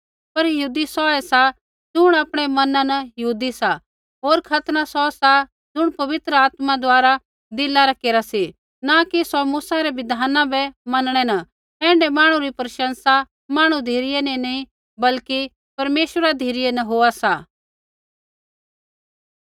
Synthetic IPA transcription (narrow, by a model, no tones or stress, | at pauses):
pɐɾjɐɦuːd̪isɔɛsa | d͡ʒʊɽ̃aːpɽ̃ɛmɐnãnɐjɐɦuːd̪isa | ɦoːɾkʰɐt̪nasɔsa | d͡zʊɽ̃pɐʋɪt̪ɾəaːt̪mad̪ʊaːɾa | d̪ɪlaɾakeːɾasi | nakisɔmuːsaɾɛʋɪd̪ʱaːnãbɛmɐnɽ̃ɛnɐ | ɛ̃ːɳɖɛmaːɽ̃ũɾipɾɐʃə̃nsa | maːɽ̃ũd̪ʱeːɾɪjɛnĩnɐĩ | bɐlki | pɐɾmeːʃwəɾad̪ʱiːɾɪjenɐɦoːasa